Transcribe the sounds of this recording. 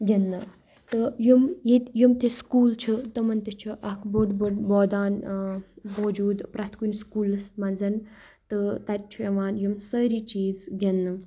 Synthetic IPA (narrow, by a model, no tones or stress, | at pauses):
ɡʲenːɨ | t̪ɨjumjit̪ʲjumt̪eskuːlt͡ʃʰut̪omɐnt̪et͡ʃʰuʔɐkboɖboɖboːd̪aːn | bod͡ʒuːd̪pɾɐt̪ʰkunʲskuːlɨsmɐnzɐn | t̪ɨt̪ɐt̪̚ʲt͡ʃʰueʋaːnjumsəɾit͡ʃiːzɡʲenːɨ